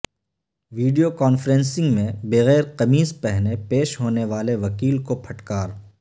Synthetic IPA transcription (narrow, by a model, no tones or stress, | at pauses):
ʋiːɖijokɔːnfəɾɛ̃nsɪ̃ŋɡmẽbeɣɛːɾqɐmiːspɛɦnepeːʃɦoːneʋaːleʋɐkiːlkopʰɐʈkaːɾ